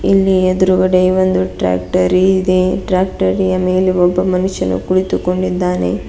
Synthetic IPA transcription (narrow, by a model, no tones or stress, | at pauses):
ilːied̪uɾuɡɐɽeiʋond̪uʈɾa̰ːkʈɐɾiid̪eʈɾaːk̚ʈɐɾijɐme̞ːleɔbːɐmɐnuʃːɐnṵkuɽit̪uko̞ɳɖid̪ːaːnḛ